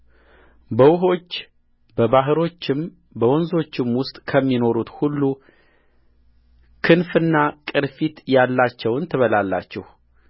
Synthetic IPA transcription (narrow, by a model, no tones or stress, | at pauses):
bəwʊɦo̞t͡ʃː | bəβaɦɨɾo̞t͡ʃːɪm | bəwɔnzo̞t͡ʃːɪmwʊst̪ʼkʰəmːino̞ɾut̪hulːu | kʰɨnfɨnːakʼɨɾfit̪jalːat͡ʃːɛwɨnt̪ʰɨβəlalːa̰t͡ʃːɛh